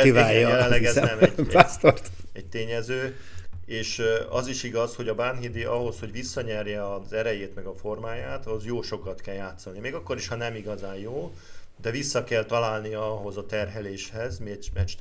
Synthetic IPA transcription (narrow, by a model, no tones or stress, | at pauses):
ivajjɛlɛnlːɛɡɛzɛmɟast̪ort̪ɛc̚t̪eːɲɛzøː | eːʃɒziʃiɡɒsho̞ɟɒbanɦid̪iʔɒɦo̞sho̞ɟvisːɒɲɛrjɛɒzɛɾɛjeːt̪mɛɡɒfo̞rmaːjaːt̪ɒozjoːʃo̞kɒt̪kɛljaːt̪solnimeːɡɒkːo̞ɾiʃhɒnɛmiɡɒzaːjjoː | d̪ɛvisːɒkɛlt̪ɒlaːlniɒɒɦo̞zɒt̪ɛrɦɛleːʃhɛzmiɛɟmɛt͡ʃt̪